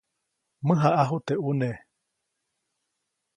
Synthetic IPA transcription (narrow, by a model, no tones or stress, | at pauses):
mɨɦaʔaɦut̪eʔune